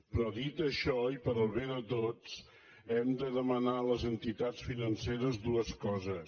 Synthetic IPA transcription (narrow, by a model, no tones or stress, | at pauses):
pɾɔðit̪əʃɔipəɾəlˠβeðət̪ot͡s | ɛmd̪əðəmənaləzənt̪it̪at͡sfinənseɾəzd̪uəskɔzəs